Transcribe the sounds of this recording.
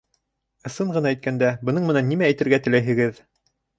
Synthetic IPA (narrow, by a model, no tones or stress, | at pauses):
ɤ̆sɤɴʁɤ̆nɑæjt̪̚kænd̪æbɤ̆nɤɴmɘ̆nænːimæːjt̪ɘ̆ɾɡæt̪ɘ̆læjɦɘ̆ɡɘð